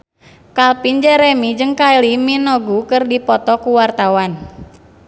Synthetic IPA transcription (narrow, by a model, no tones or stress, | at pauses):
kalpind͡ʒɛɾɛmid͡ʒɨŋkailiminɔɡukɨrdipɔt̪ɔkuwart̪awan